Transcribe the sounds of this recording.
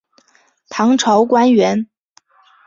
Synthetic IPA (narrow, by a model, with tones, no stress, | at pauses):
t̪ʰɑ˧˥ŋʈ͡ʂʰɑ˧˥ʊkwa˥nɥɛ˧˥n